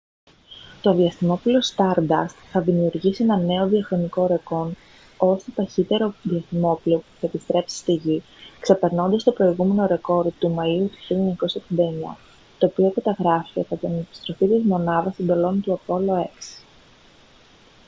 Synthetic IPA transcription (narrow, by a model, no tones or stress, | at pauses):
t̪o̞ðiɐst̪imo̞plio̞st̪ɐɾd̪ɐ̰st̪θɐðimiuɾʝisie̞nɐne̞o̞ðiɐxɾo̞niko̞ɾe̞ko̞n | o̞st̪ot̪ɐçit̪e̞ɾo̞ðiɐsθimo̞pliopu̥θɐe̞pist̪ɾe̞psi̥st̪iʝi | kse̞pe̞ɾno̞nd̪ɐst̪opɾo̞iɣume̞no̞ɾe̞ko̞ɾt̪umɐiut̪u̥çiluɲɐko̞sofind̪ɐeɲɐ̰ | t̪o̞ːpio̞kɐt̪ɐɣɾɐfit̪eθɐt̪inepi̥st̪ɾo̞fit̪izmo̞nɐðɐst̪ond̪o̞lo̞nt̪uɐpo̞lo̞e̞ks